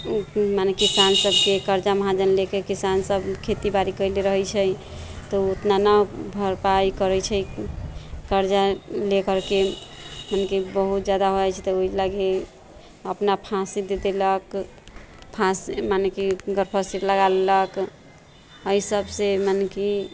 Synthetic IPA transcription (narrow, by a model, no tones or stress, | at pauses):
manekisansəbʱkekəɾd͡ʒaməɦad͡ʒənlekekisansəbkʰet̪ibaɾikəɪleɾəɦɛt͡ʃʰəj | t̪ɔut̪nanabʱəɾpaikəɾɛt͡ʃʰɛ | kəɾd͡ʒalekəɾkemanekibəɦut̪d͡ʒjad̪aɦoajt͡ʃʰɛ̥t̪ɔoilaɡe | əpnapʰãsid̪ed̪elək | pʰãsmanekiɡəɾpʰəsiɾləɡalelək | əisəbsemaneki